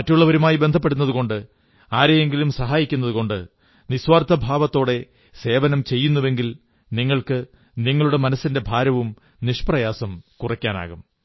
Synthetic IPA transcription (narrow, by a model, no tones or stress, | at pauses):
mɐtːuɭːɐʋɐɾumaːjibe̞nd̪ʱɐpːe̞ɽunːɐðuko̞ɳɖɨ | aːɾejeŋɡilumsɐɦaːjikʲːunːɐðuko̞ɳɖɨ | niswaːrt̪ːɐbʱaːʋɐt̪ːo̞ːɽe̞ | se̞ːʋɐnɐmt͡ɕe̞jːunːuʋe̞ŋɡil | niŋːɐɭkɨ | niŋːɐɭuɽe̞mɐnɐsːinde̞bʱaːɾɐʋum | niʂprɐjaːsɐmkurɐkʲːaːna̰ːɣum